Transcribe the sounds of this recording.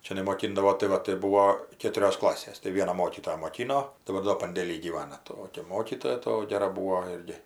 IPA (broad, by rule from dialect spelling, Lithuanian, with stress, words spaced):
ˈt͡ʃʲɛ nʲɛmoːˈkʲɪndɐʋoː tɐɪ ˈʋɐ tɐɪ ˈbuːʋoː ˈkʲeːtʊrʲoːs ˈklˠɑːsʲeːs tɐɪ ˈʋʲiɛnɐ ˈmoːkʲiːtoːjɛ moːˈkʲɪnoː tɐɪ ˈʋɐ doː pɐnʲdʲeːˈlʲiː ɡʲiːˈʋɑːnɐ ˈtoːkʲɛ ˈmoːkʲiːtoːjɛ ˈtoː ˈɡʲæːrɐ ˈbuːoː ˈɪrʲɡʲɪ